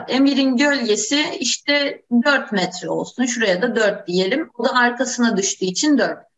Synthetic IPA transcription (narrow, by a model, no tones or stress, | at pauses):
emiɾinɟølʲje̞siiʃt̪ʰɛd̪øɾt̪mɛt̪ɾɛo̞̰lˠsunʃuɾajad̪ad̪øɾt̪̚d̪ije̞lʲimod̪aːɾkʰasɯnad̪ɯʃt̪ʰɯːit͡ʃʰind̪øɾt̪̚